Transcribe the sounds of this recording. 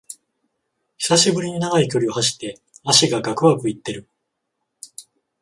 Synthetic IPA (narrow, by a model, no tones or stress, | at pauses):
çi̥saɕibɯ̟ɾʲiɲ̟inaɡaikʲo̞ɾʲio̞haɕi̥t̪ːe̞ | aɕiɡaɡakɯ̟βakɯ̟it̪ːe̞ɾɯ̟